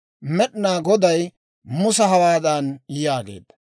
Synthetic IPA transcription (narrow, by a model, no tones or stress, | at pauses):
mɛɗnaːɡɔd̪ɐj | mʊsɐɦɐwaːd̪aːnjaːɡḛːd̪ːɐ̥